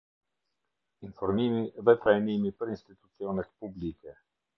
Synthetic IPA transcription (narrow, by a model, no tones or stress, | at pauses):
infɔɾmimivɛp̪ɾajnimipəɾinst̪it̪u̥t̪sjonɛpublikɛ